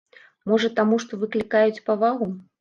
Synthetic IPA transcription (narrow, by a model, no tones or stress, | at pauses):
mɔʐɐt̪amuʂt̪ɔvɨklʲikajut͡sʲpavaɣu